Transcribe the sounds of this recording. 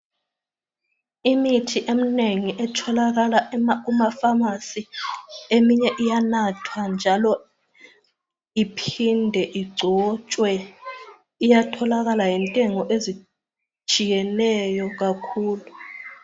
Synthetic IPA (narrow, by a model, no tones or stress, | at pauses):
imitʰiʔem̩neŋiʔɛtʰɔlak̬alaumafamasiemiɲɛʔijanatʰwand͡ʒʱalɔ | ipʰindʱɛʔiɡ͡ǀʱɔt͡ʃʼwɛ | ijatʰɔlak̬alajintʼɛŋɔʔezi | t͡ʃʼijɛnɛjɔk̬akʰuːlu